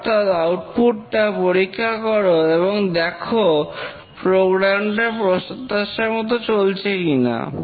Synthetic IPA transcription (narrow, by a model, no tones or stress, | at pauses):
t̪ʰat̪awʈpuʈʈapoɾikʰːakɔɾoeboŋd̪ɛkʰo | pɾoɡɾamʈaɾpɾoʃot̪ːaʃeɾmɔt̪̬ot͡ɕolt͡ɕʰekina̰